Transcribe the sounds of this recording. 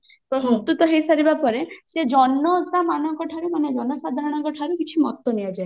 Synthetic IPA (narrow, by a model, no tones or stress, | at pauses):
pɔɾɦut̪ut̪ɔɦejsaɾibapɔɾesed͡ʒɔnːɔamanɔŋkɔʈʰaɾumaned͡ʒɔnɔsad̪ʱaɾɔɽ̃ɔŋkɔʈʰaɾukit͡ʃʰimɔt̪ːɔniad͡ʒae